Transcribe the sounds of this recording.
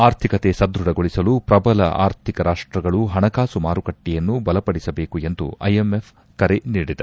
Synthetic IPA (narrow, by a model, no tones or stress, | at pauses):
aːɾt̪ʰikɐt̪e̞sɐd̪ɾuɽɐɡo̞ɭisɐlupɾɐbɐlɐ̰ʔa̰ːɾt̪ʰikɐɾaːʂʈɾɐɡɐɭuɦɐɳɐkaːsumaːɾukɐʈːɛjɐnːubɐlɐpɐɽisɐbe̞ːkue̞nd̪ṵɐ̰jemefʰ | kɐɾeniːɽid̪ɐ